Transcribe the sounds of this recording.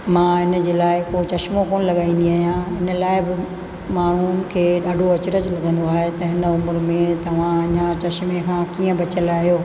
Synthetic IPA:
mãːɦɪnd͡ʑeːlaːɪkot͡ɕɐʃmokoːnlɐɠaːĩːn̆d̪iaːɦijãɦɪnə̆laːɪbɪ | maːɳ̤unɪ̆kʰeːɗaːɖʱoɐt͡ɕɾəd͡ʑlɐɡʱə̃nd̪oaːɦet̪ɐɦɪnəʊmʊɾmẽt̪ɐʋ̤ãɐɲãt͡ɕɐʃmekʰãːkiːə̃bɐt͡ɕəlaːɦijoː

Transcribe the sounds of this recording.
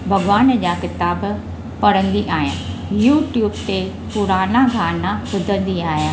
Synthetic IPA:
bʱɐɡʋaːnd͡ʑaːkɪt̪aːb | pɐɽə̃nd̪iʔaːɦijãːjuːʈjuːbt̪e | pʊɾaːnãkʰãːnãkʊd̪ʱə̃nd̪iaːɦjãː

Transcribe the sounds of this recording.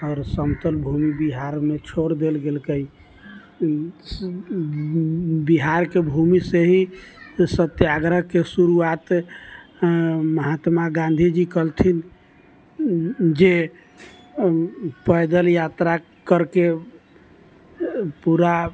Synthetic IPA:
ɔːɾsəmt̪əlbʱumibiɦaɾmet͡ʃʰoɾd̪elɡelkəi | biɦaɾkebʱumiseɦisət̪jaɡɾəkesuɾuat̪ | məɦat̪maɡãn̆d̪ʱid͡ʒikəlt̪ʰin | d͡ʒe | pəjd̪əljat̪ɾa | kəɾke | puɾa

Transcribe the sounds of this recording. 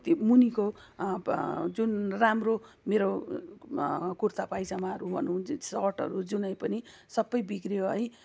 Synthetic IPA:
t̪imuniko | d͡zunramro | meɾo | kurt̪apajd͡zamaʌɾubʱʌ̰nũsʌrʈʌ̰ɾud͡zunʌj̃pʌnisʌbːʌjbikrijoɦʌj

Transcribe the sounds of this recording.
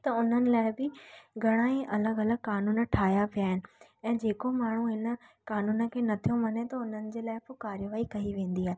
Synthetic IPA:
t̪ɐʊn̤ənɪ̆laːɪbɪɡʱɐɽ̃aːẽʔɐləɡɐləɡ̚kaːnuːnə̆ʈʰaːɦjapijaːɦɪnɪ̆ɛ̃ːd͡ʑeːkomaːɳ̤uɦɪnə̆kaːnuːnə̆kʰeːnɐt̪ʰijõmɐnet̪ɐʊn̤ənɪ̆d͡ʑeːlaːɪpokaːɾjəʋaːikɐiʋẽːn̆d̪iɦaːɦe

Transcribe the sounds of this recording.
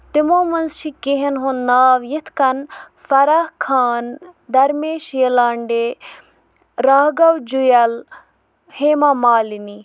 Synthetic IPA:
t̪imoːmɐnzt͡ʃʰikiɦɐnɦonnaːʋjit̪ʰkɐn | fɐɾahkʰaːnd̪ɐɾmeːʃjɐlaːɳɖeː | ɾaːɦɡɐwd͡ʒujɐl | heːmamaːlini

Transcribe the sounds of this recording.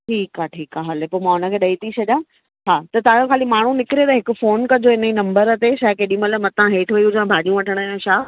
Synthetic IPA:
ʈʰiːkaːʈʰiːkaɦɐlepoːmãːʊnə̆kʰeːɗɐit̪ʰit͡ɕʰɐɗjãː | ɦaːt̪ɐt̪ɐʋãjõkʰaːlimaːɳ̤ũnɪkɪɾot̪ɐɦɪkʊ̆foːnkɐd͡ʑoɦɪnəinɐ̃mbəɾɐt̪eʃaːkeːɗĩmɐləmɐ̃t̪ɐʋãɦeːt̪ʰʋɐiʊd͡ʑãbʱaːɗijũʋɐʈʰəɽ̃əjõʃaː

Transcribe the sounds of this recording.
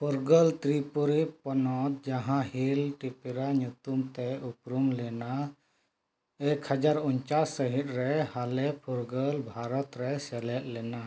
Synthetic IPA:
pʰuɾɡəlt̪ɾipuɾipɔnɔt̪̚d͡ʒaɦãɦilʈipiɾaɲut̪umt̪ɛupɾumlɛna | ekʰhəd͡ʒaɾuɲt͡ʃasːəɦit̪̚ɾɛhalɛpʰuɾɡəlbʱaɾɔt̪ɾɛsɛlɛʔ̪̚lɛna

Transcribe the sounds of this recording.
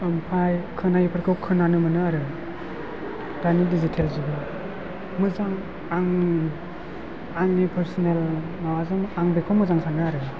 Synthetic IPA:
ɯmpʰajkʰɯnajipʰɯɾkʰɯwkʰɯnanɯmɯnɯaɾɯ | d̥anidizitʰelzubɯ | mɯzaŋ | aŋ | aŋnipʰəɾsɔnel | nawazɯmaŋbekʰɔmɯzaŋsʰaŋnɯaɾɯ

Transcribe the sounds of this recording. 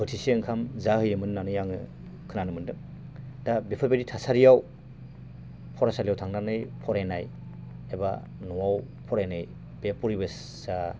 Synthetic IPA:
bɯtʰisiɯŋkʰamzaɦɯjɯmɯnːanɯjaŋɯ | kʰɯnanɯmɯndɯ | dabepʰɔbeditʰasaɾijaw | pʰɔɾasalijawtʰaŋnanɯjpʰɔɾajnaj | eba̰ | nɔwaw | pʰɔɾajnɯj | bepuɾibɯ | sa

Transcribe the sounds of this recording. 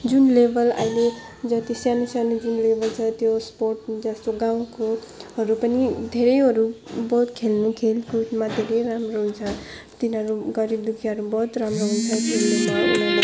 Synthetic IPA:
d͡zunlebʱʌla̰ile | d͡zʌt̪isjanusanud͡zunlebʱʌlt͡sʰʌt̪josporʈd͡zʌst̪oɡaw̃ko | ɦʌɾupʌnid̪ʱeɾʌjɦʌɾubʌɦut̪kʰelnukʰelkuʈmad̪ʱeɾʌjɾamroɦunt͡sʰʌ | t̪inʌɾuɡʌɾib̚d̪ukʰiɦʌɾubʌɦut̪ramroɦunt͡sʰʌt̪enːea

